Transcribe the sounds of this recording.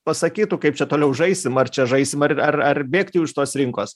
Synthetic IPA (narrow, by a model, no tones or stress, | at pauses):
pɐsɐkʲiːt̪ʊkɐɪpt͡ʃʲɛt̪oːlʲɛʊʒɐɪsʲɪmɐrt͡ʃʲɛʒɐɪsʲɪmɐrɐrɐrbʲeːkt̪ʲjɛʊɪʃt̪oːsɾʲɪŋkoːs